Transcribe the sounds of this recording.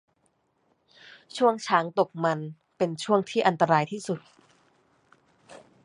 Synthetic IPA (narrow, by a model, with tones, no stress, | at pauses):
t͡ɕʰu˥˩əŋt͡ɕʰaː˩˦ŋt̪o˨˩k̚ma˧n | pe˧nt͡ɕʰu˥˩əŋt̪ʰiː˥˩ʔa˧nt̪a˧ɾaː˧jt̪ʰiː˥˩su˨˩t̪̚